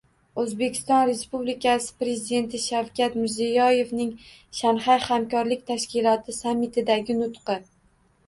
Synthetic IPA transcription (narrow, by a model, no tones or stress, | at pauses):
ɵzbe̞kʲʰɪ̥st̪ɒnɾe̞spublikʲʰasɪ̥pɾe̞zɪd̪e̞nt̪ʰɪʃawkʲʰat̪mɪɾzijɒje̞vnɪŋ | ʃanhajhamkɒɾlɪkʲt̪ʰaʃkʲɪlˠɒt̪ʰɪsamːɪt̪ʰɪd̪aɡʲɪnʊt̪qɨ